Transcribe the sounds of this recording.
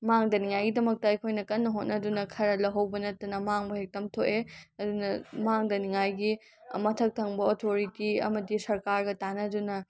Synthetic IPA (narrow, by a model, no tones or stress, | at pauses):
maŋdɐniŋajɡidɐmɐk̚tɐɐjkʰojnɐkɐnːɐɦot̚nɐdunɐkʰɐɾɐlɐɦɐwbɐnɐtːɐnɐmaŋbɐhek̚tɐmtʰoʔeɐdunɐmaŋdɐniŋajɡi | mɐtʰɐk̚tʰɐŋbɐotʰoɾitiɐ̰mɐdisɐɾkaɾɡɐtanɐdunɐ